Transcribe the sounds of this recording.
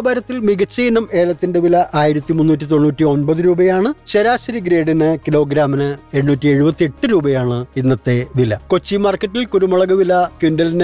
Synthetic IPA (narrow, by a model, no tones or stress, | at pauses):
bɐɾɐt̪ːilmiɡɐt͡ɕːijnɐme̞ːlɐt̪ːinde̞ʋilɐʔaːjiɾɐt̪ːimunːuːtːit̪̬o̞nːuːtːio̞nbɐðɨɾuːbɐjaːɳɨɕeɾaːɕɐɾiɡɾeːɖinɨkilo̞ːɡɾaːminɨe̞ɻnuːtːieɻubɐt̪ːie̞ʈːɨɾuːbɐjaːɳɨinːɐt̪ːe̞ʋilɐ̰ko̞t͡ɕːimaːrkːɐtːilkuɾumɐɭɐɣɐʋilɐkunɖɐlinɨ